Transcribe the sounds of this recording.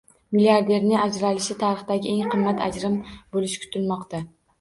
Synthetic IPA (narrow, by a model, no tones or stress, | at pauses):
miliaɾd̪e̞ɾnɪŋad͡ʒɾalɪʃɪt̪ʰaɾɨχd̪aɡʲɪʔe̞ŋqʰɨmːat̪ʰa̰d͡ʒɾɪmbolɪʃkʰʊ̥t̪ʰɪlmɒqt̪ʰa